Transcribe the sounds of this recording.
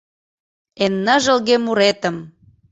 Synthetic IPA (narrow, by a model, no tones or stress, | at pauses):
enːə̆ʒə̆lɣemuɾet̪ə̆m